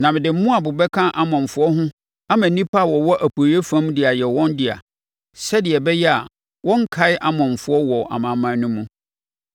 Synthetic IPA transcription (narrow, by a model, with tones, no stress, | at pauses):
nã˨mɪ̃˨dɪ˨m̩˦mʊ̃˦a˨bʊ˨bɛ˦kʰã˦ʔa˦mɔ̃˨m̩˨fʊ˦ɔ˦ɦʊ̃˦ | a˦mæ̃˨nĩ˦pʰa˦˨wɔ˨wɔ˦ʔæ˨pʰo˨ɾi˦e˦fã˦mdɪ˨a˨jɛ˨wɔ̃˦ndɪ˨a̰˨ | sɛ˦dɪ˨ɛ˨bɛ˦jɛ˦a˨ | wɔ̃˦ŋ˦kʰa˨˦ɪ˦ʔa˦mɔ̃˨ɱ˨fʊ˨˦ɔ˦wɔ˨ʔa̰˨mã˨mã˨˦nʊ̃˦mũ˦